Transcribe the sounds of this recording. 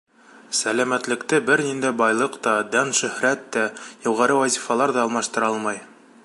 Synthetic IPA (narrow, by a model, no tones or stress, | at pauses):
sælæmæt̪lɘ̆kt̪ɘbɘɾnind̪æjbɑjlˠɤqt̪ɑd̪ænʃɵ̆hɾæt̪ːæjuʁɑɾɘwæzʲifɑlˠɑɾðɑːlˠmɑʃt̪ɤ̆ɾɑlˠmɑj